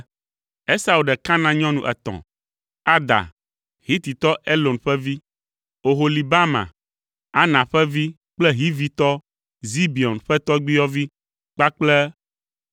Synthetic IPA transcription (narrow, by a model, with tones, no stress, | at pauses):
e˦sa˨wu˨ɖɛ˨kã˦nã˦ɲɔ̃˦nũ˨ʔɛ̰˨t̪ɔ̰̃˨ | a˦d̪a̰˨ | hi˦t̪i˨t̪ɔ˦ʔe˦lo˨nɸɛ˦vi˦ | o˨ɦo˨li˨ba˦mã̰˨ | a˦nã˨ɸɛ˦vi˦ | k͡plɛ˦ɦi˦vi˦t̪ɔ˦ | zi˦bi˨ɔ˨nɸɛ˦t̪ɔ˦ɡ͡bi˦jɔ˦vi˦ | k͡pa˦k͡plɛ˦